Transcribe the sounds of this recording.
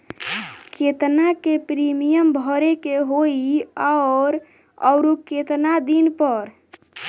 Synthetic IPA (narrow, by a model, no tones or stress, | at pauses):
ket̪nakepɾimijəmbʱəɾekeɦoiaɾ | əʊɾoket̪nad̪inpəɾ